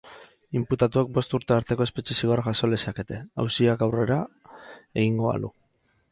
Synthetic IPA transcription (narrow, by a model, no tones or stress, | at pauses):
imput̪at̪uek̚bo̞st̪uɾt̪e̞aɾt̪e̞ko̞e̞spet͡ʃisiɣaɾaɣaso̞lesake̞t̪e̞a̰wsiakawre̞ɾa | eɣiŋɡo̞βa̰lṵ